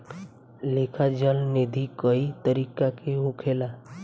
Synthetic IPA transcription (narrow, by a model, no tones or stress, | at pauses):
lekʰad͡ʒəlned̪ʱikəit̪əɾikakeɦukʰela